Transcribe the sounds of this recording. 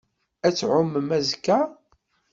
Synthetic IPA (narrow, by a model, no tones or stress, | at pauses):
æt͡sːʕʊmːəmæzkːæ